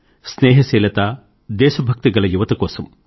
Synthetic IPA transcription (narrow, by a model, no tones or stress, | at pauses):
sneːɦɐseːlɐt̪aː | d̪eːʃɐbʱɐk̚t̪ɐɡɐlɐjuʋɐt̪ɐkoːsɐm